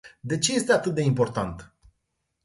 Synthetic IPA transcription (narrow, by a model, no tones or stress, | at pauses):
d̪e̞t͡ʃe̞je̞st̪eat̪ɨt̪̚d̪e̞impo̞rt̪ant̪